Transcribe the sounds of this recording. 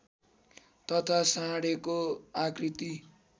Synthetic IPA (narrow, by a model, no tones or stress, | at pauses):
t̪ʌt̪ʰasãɽekoakrit̪i